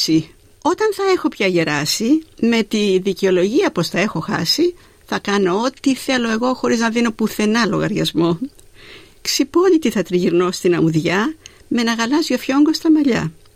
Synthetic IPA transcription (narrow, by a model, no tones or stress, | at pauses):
si | o̞t̪ɐnθɐe̞xo̞pçɐʝe̞ɾɐsime̞t̪iðiceo̞lo̞ʝiɐpo̞sθɐe̞xo̞xɐ̰si | θɐkɐno̞ot̪iθe̞lo̞e̞ɣo̞xo̞ɾiznɐðino̞puθe̞nɐlo̞ɣɐɾʝɐzmo̞ | ksipo̞ʎit̪iθɐt̪ɾiʝiɾno̞st̪inɐuðʝɐ | me̞nɐɣɐlɐzio̞fço̞ŋɡo̞st̪ɐmɐʎɐ̰